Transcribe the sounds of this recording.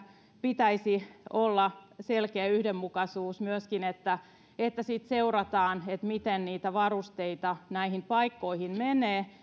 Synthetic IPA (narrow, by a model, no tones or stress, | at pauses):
pit̪æisiolːɑselkeæyhdemːukɑsuːsmyøskinet̪ːæ | et̪ːæsiːt̪seurɑt̪ɑːnet̪mit̪enniːt̪æʋɑrust̪eit̪ɑnæihimpɑikːoihinmeneː